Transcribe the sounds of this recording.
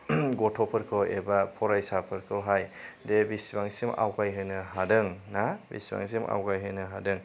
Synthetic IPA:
ɡɔtʰɔpʰɯɾkʰɯwebapʰɔɾajsapʰɯɾkʰɯwɦajdebisbaŋsima̰wɡajɦɯjnɯɦadɯŋnabḭsba̰ŋs̬ima̰wɡajɦɯjnɯɦadɯŋ

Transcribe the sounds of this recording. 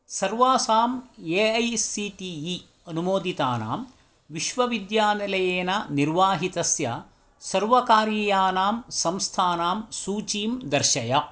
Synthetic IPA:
sɐɾʋaːsaːmeːɐjsːiʈii | ɐnumoːd̪it̪aːna̰ːm | ʋiʃʋɐʋid̪jaːnɐlɐjeːnɐniɾʋaːɦit̪ɐsjɐ̰ | sɐɾʋɐkaːɾjɐjaːnaːmsɐmst̪ʰaːnaːmsuːt͡ʃiːmd̪ɐɾʃɐjɐ

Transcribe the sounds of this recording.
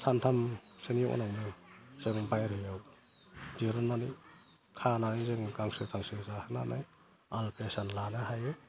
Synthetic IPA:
sʰantʰamseniʔɔ̰nanɯzeŋŋbajɾhɯjaw | ziɾɯnːani | kʰanaizɯŋɡaŋsɯtʰaŋsɯzahɯna̰na̰j | alpʰesanlanɯɦajɯ

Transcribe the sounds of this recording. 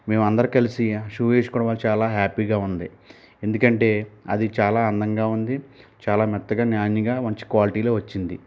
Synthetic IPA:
me̞ːmɐnd̪ɐɾikɐlisiʂuːʋeːʃkuːɽɐʋaːlːut͡ʃaːlaːɦaːpiːɡaːund̪i | e̞nd̪ukɐɳʈe̞ːɐd̪it͡ʃaːlaːɐnd̪ɐŋɡaːund̪it͡ʃaːlaːmɛt̪ːɐɡaːnjaːniɡaːʋɐɲt͡ʃi̥kʋaːliʈiːlo̞ːʋɐt͡ʃːind̪ḭ

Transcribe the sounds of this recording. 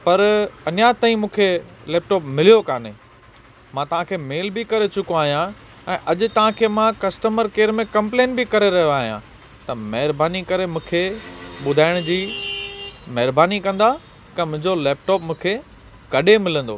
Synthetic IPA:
pɐɾɐnjat̪aːĩmũːkʰelɛːp̚ʈɔːpmɪlijokaːne | mãt̪ɐʋ̤ãkʰeːmeːlbɪkɐɾet͡ɕʊkoaːɦijã | ɛ̃ːʔɐʄʊ̆t̪ɐʋ̤ãkʰeːmãkɐsʈəməɾkeːɾmẽkɐ̃mpleːnbɪkɐɾeɾɐɦijoaːɦijã | t̪ɐmɐɦɪɾbaːnikɐɾemũːkʰeɓʊd̪ʱaːɪɽ̃d͡ʑiː | mɐɦɪɾbaːnikɐ̃nd̪a | kɐ̃mʊ̃ɦɪ̃ɲd͡ʑoleːp̚ʈɔːpmũːkʰe | kɐɗemɪlə̃nd̪o̰ː

